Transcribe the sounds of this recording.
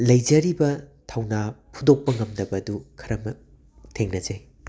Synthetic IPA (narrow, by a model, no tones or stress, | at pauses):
lɐjd͡ʒɐɾibɐtʰawnapʰudok̚pɐŋɐmdɐbɐdukʰɐɾɐmɐ | tʰeŋnɐd͡ʒej